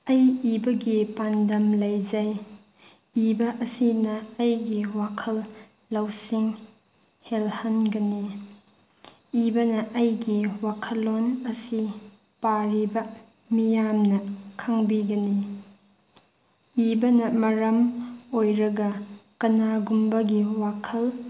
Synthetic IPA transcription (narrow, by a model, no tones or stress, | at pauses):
ɐjibɐɡipandɐmlɐjd͡ʒɐj | ibɐʔɐsinɐːjɡiwakʰɐlː | ɐwsiŋ | helhɐnɡɐni | ibɐnɐʔɐjɡiwakʰɐlːonɐsi | paɾibɐ | mijamnɐkʰaŋbiɡɐni | ibɐnɐmɐɾɐmojɾɐɡɐkɐnaɡumbɐɡiwakʰɐl